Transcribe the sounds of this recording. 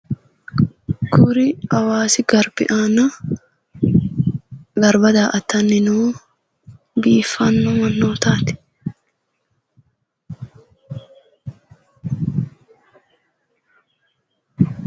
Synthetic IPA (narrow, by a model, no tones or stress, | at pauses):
kʰʊɾɪɐwaːsɪɡɐɾbɪ̰ʔaːnɐ | ɡɐɾbɐd̪aːʔɐt̪ːɐnːɪnoː | biːfːɐnːɔmɐnːoːt̪aːt̪ɪ̥